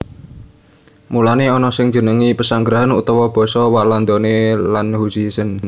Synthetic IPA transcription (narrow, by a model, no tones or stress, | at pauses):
mulaneɔnɔsɪŋd̥d͡ʒ̥ə̤nəŋipəsaŋɡɾaɦanṵt̪ɔwɔb̥ɔ̤sɔwaland̪ɔnelanhusisən